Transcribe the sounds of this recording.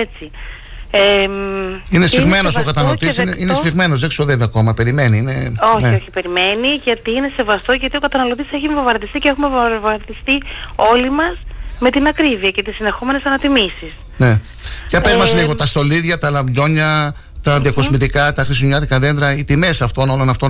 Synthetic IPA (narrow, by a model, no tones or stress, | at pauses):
et͡si | e | inesiɣme̞no̞sokɐt̪ɐnɐlot̪isineinesfiɣme̞no̞zðesi̥soðe̞viɐko̞mɐpe̞ɾime̞niine̞oçneoçipe̞ɾime̞niʝɐt̪iine̞se̞vɐst̪o̞ʝɐt̪io̞kɐt̪ɐnɐlot̪iseçiiɱvovɐɾt̪ist̪icexumevɐɾt̪ist̪io̞limɐsme̞t̪inɐkɾiviɐce̞t̪isinðe̞xo̞me̞nesɐnɐt̪imisis | ne̞ | cɐpezmɐszliɣo̞t̪ɐst̪o̞liðʝɐt̪ɐlɐmbʎo̞ɲɐ | t̪ɐðiɐkosmit̪ikɐt̪ɐxɾisuɲɐt̪ikɐðend̪ɾɐit̪ime̞sɐft̪o̞no̞lo̞nɐft̪o̞